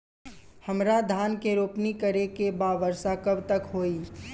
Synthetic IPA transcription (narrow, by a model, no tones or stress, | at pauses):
hɐmɾad̪ʱaːnkeɾoːpnikəɾekebaːʋəɾsakɐbt̪ɐkɦoːiː